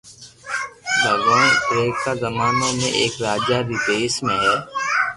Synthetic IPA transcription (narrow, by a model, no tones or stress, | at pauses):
bʱəɡõːɪpɾeːkːaːzəmaːneːmḛ̃ʔeːkɾaːd͡ʒaɾiːd̪eːsmẽːɦɛː